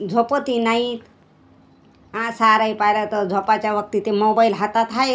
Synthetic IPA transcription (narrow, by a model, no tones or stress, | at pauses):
d͡zʱopət̪inait̪ | ãsaɾajpajɾat̪ɔd͡zʱopat͡ʃaʋʌk̚t̪it̪emobajlɦat̪at̪ʰaj